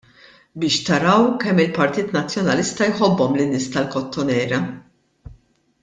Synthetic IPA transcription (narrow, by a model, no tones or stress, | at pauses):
bɪːʃt̪ɐɾɐwkɛmːɪlpɐɾt̪iːt̪nɐt͡sːjɔnɐlɪst̪ɐjħɔbːɔmlɪnːɪːst̪ɐlkɔt̪ːɔnɛːɾɐ